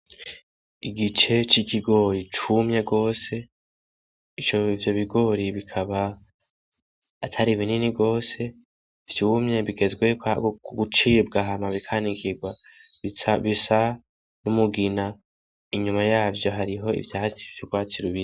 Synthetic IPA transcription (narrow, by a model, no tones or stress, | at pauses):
iɡit͡ʃe̞t͡ʃikʰiɡo̞ɾit͡ʃumɲe̞ɡo̞ːse̞ | it͡ʃoivjo̞βiɡo̞ɾiβikʰaβa | tʰaɾiβininiɡo̞ːse̞ | v̥juːmɲe̞βiɡe̞zɡwe̞ɡut͡ʃibɡaɦamaβikʰanikʰiɡwa | βisa | numuɡina | iɲumajaːvjo̞ɦaɾiɦo̞ḭvjaːt͡si̥vjoɡwaːtiɾuβiɾi